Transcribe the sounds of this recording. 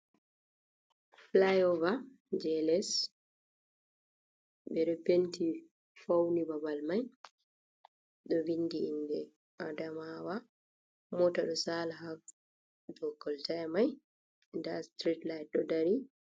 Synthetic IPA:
flajɔva | d͡ʒɛlɛs | ɓɛɾɛpenti | fawnibabalmaj | ɗɔvindiindɛ | ʔadamawa | mɔtaɗɔsaːlaɦak | dɔɡɔltamaj | ndastɾitlajt̚ɗɔdaɾi

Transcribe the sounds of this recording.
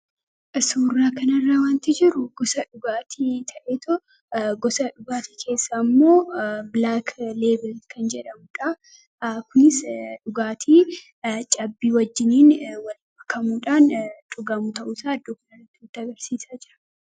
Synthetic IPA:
suːrːaːkɐnɐrːaːwaːnt̪ɪd͡ʒɪɾʊɡ̥ɔsɐᶑʊɡaːt̪ʰit̪ʰɐʔeːt̪ʰɔ | ɡɔsɐᶑʊɡaːt̪i̥ːkʰe̞ːsːamːo̞ːblaːkleːbɪlkʰɐnd͡ʒɛᶑɐmʊᶑɐ | kʊnɪsᶑʊɡaːt̪ʰiː | t͡ʃʼɐbːiːwɐd͡ʒːɪniːnwɐlbɐkːɐmuːᶑaːnt͡ʃʼʊɡɐmut̪ɐʔuːsaːɐd̪ːoːkɐnɐrɐt̪ːɪt̪ːɪɐɡɐɾsiːsaːd͡ʒɪɾɐ̥

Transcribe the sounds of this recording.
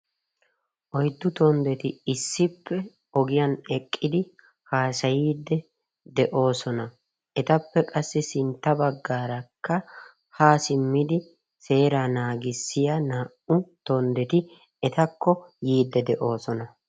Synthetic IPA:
ʔɔjd̪ːʊt̪ɔnd̪ɛt̪ɪɪsːɪpːɛ | ɔɡɪjɐnɛkʼːɪd̪ɪ | haːsɐjiːd̪ːɛ | d̪ɛʔo̞ːsɔnɐ | ʔɛt̪ɐpːɛkʼɐsːɛsɪnt̪ːɐbɐɡːaːɾɐkːɐ | haːsɪmːɪd̪ɪ | se̞ːɾaːnaːɡɪsːɪjɐnaːʔʊt̪ɔnd̪ɛt̪ɪ | ɛt̪ɐkːɔjiːd̪ːɛd̪ɛʔo̞ːsɔnɐ

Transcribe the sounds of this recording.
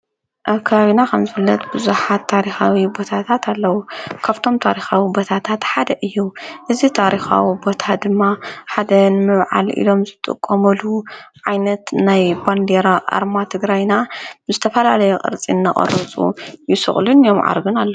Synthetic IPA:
ʔaβkʰɐβaβinakʰɐmzɨfɨlːɐt̪bɨzuħat̪ʰːaɾixawibo̞t̪ʰat̪ʰat̪ʰalːɐwukʰaβt̪ʰo̞mt̪ʰaɾixawibo̞t̪ʰat̪ʰat̪ħad̪ɐʔɨjːuʔɨzit̪ʰaɾixa̰wibo̞t̪ʰad̪ɨmːaħad̪ɐnmɨβʕa̰lḭlo̞mzɨt̪ʼɨ̰kʼːɐmɐluʕajnɐt̪najband̪eɾaʔa̰ɾmat̪ʰɨɡɾajnazɨt̪ʰɐfɐlalɐjɛqʼɨ̰ɾt͡sʼinːa̰χʼɐ̰ɾɨt͡sʼṵjɪsɨ̰χʼlunjo̞mʕa̰ɾɡɨnalːɐu

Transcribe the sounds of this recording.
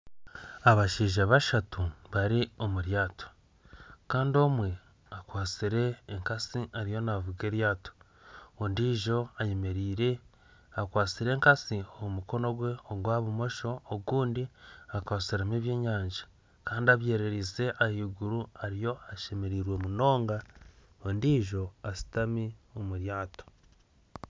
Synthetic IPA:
aβaʃiːʒaβaʃatuβaɾio̞muɾjaːto̥ | kaːndio̞mwe̞ | akwaːt͡siɾe̞ːŋkasiaɾijo̞navuɡe̞ɾjaːto̥ | ondiːʒo̞ajemeɾiːɾe̞ | akwaːt͡siɾe̞ːŋkasioβumuko̞no̞ɡwe̞oɡwaːβumo̞ʃo̞ːɡuːndiakwaːsiɾamiβjeːɲaːɲd͡ʒḁ | kaːndiaβje̞ːɾe̞ɾiːse̞ʔahiːɡuɾuaɾijo̞aʃe̞me̞ɾiːɾwe̞muno̞ːŋɡa | ondiːʒo̞asi̥tamiomuɾjaːto̥

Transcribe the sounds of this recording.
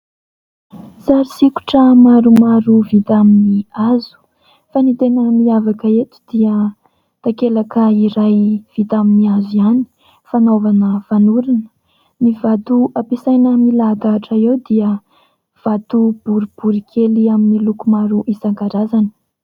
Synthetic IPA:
saɾisiku̥ʈ͡ʂəmaɾumaɾuvit̪aminiazu̥ | fanit̪enəmiavakəet̪u̥d̪iə | t̪akelakəiɾajv̥it̪aminiaziani̥ | fanovanəv̥anuɾinə̥ | nivat̪uapisajnəmilaɡaːʈ͡ʂəewd̪iə | v̥at̪ub̥uɾib̥uɾikʰeliaminilukumaɾuʔisaŋɡaɾazanə̥

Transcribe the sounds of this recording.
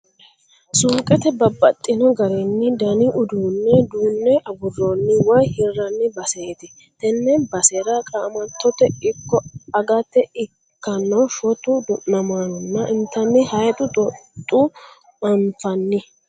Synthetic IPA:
suːkʼɛt̪ɛbɐbːɐt̪ʼːɪnɔɡɐɾɛnːɪd̪ɐnɪʔʊd̪uːnːɛd̪uːnːɛʔɐbʊrːonːɪwɔjhɪrːɐnːɪbɐset̪ɪ | t̪ɛnːɛnbɐseɾɐkʼamɐt̪ːɔt̪ɛɪkːɔɐɡɐt̪ːɛɪ | kːɐnːɐfɔt̪ʊd̪ʊnɐmanʊnːɐʔɪnt̪ːɐnːɪhɐjt̪ʼʊt̪ʼɔt̪ʼːu | ɐmfɐnːɪ

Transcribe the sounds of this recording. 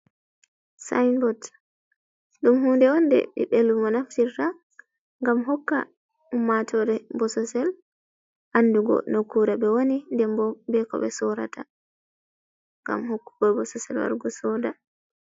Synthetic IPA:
sa̰jnbɔt | ɗumhuːndɛwɔndɛ̰ɓḭɓelːumɔnaftita | ŋɡamɦɔkːa̰ | umːatʰɔɾɛbɔsɔsɛl | ʔanːduɡɔ̰nokuɾaɓɛwonindɛmbɔbɛkɔ̰ɓɛsɔɾa̰tʰa | ŋɡa̰mhokːu̥ɡɔbɔsɔsɛlwa̰ɾɡɔsɔda

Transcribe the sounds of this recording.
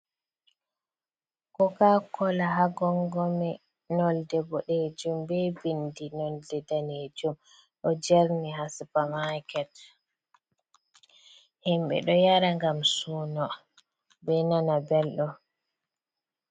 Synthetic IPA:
kɔkakɔlaɦaɡɔŋɡɔmɛ | nɔldɛbɔɗed͡ʒumbɛbindinɔldɛdaned͡ʒum | ɗɔd͡ʒɛɾniɦasipamakɛt | himbɛ̰ɗɔjaɾaŋɡamsuːnɔ | bɛnanabɛlɗɔ

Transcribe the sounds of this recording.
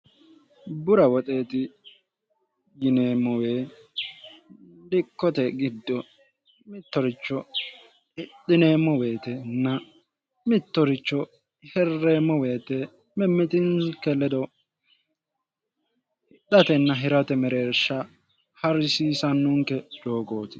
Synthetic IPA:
bʊɾɐwɔt̪ʼe̞ːt̪ɪ | ɡɪneːmːɔwe̞ː | dɪkːɔt̪ɛɡɪd̪ːɔ | mɪt̪ːɔɾɪt͡ʃːɔ | ɪɗɪne̞ːmːɔwe̞ːt̪ɛnːɐ | mɪt̪ːɔɾɪt͡ʃːɔ | hɛrːe̞ːmːɔwe̞ːt̪ɛ | mɛmːɪt̪ɪnkɛlɛd̪ɔ | ɗɐt̪ɛnːɐɦɪɾɐt̪ɛmɛɾeːɾʃːɐ | hɐɾsiːsɐnːʊŋkɛd͡ʒo̞ːɡo̞ːt̪ɪ̥

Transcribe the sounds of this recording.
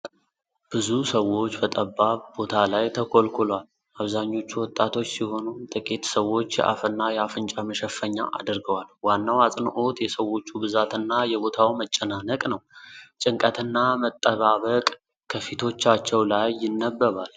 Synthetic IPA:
b̥ɨzusəwo̞t͡ʃːbət̪ʼəbːaβbo̞t̪ʰalajt̪ʰəkʰʼo̞lkʰulal | aβzaɲːo̞t͡ʃːuwɔt̪ʼːat̪ʰo̞t͡ʃːsiho̞nut̪ʼɨkʼit̪səwo̞t͡ʃːjɛ̰ʔa̰fɨnːajɛafɨnt͡ʃʼaməʃɛfːəɲːa̰ʔa̰d̪ɨɾɡəwalwanːawat͡sʼnʔo̞t̪jɛsəwo̞t͡ʃːubɨzat̪ɨnːajɛbo̞t̪ʰawmət͡ʃʼːɛnanəkʼnəwt͡ʃʼɨŋkʼət̪ʰɨnːamət̪ʼːəβaβəkʼ | kʰəfit̪ʰo̞t͡ʃːat͡ʃːɛwlajːɪnːəbːəβal

